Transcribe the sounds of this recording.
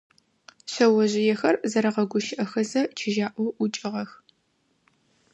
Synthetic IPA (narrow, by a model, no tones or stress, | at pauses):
ɕɐwɔʑɪjɛxɐrzɐɾɐʁɐɡʷʊʃɪʔɐxɐzɐt͡ʃʰɪʒaːʔʷɔwʔʊt͡ʃʼɪʁɐx